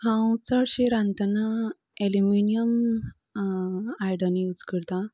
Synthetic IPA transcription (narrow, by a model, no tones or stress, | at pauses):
hãwt͡səɽɕiɾãnt̪ana | eliminiəm | ajɽaniut͡skəɾt̪ã